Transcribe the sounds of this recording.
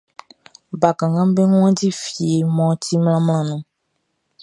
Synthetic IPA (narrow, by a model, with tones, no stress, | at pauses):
ba˨kã˨ŋɡã˦bẽ˦ŋ̃˦ɔ̃˦di˦fi˨e˨˦mɔ̃ː˦ti˦m˦l̃ã˦mlã˦nũ˦